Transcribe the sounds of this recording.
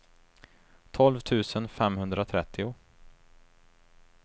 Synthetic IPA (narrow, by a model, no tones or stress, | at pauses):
t̪ʰɔlvt̪ʰʉ̟ːsənfɛmhɵnd̪ɾat̪ʰɾɛt̪ʰːɪʊ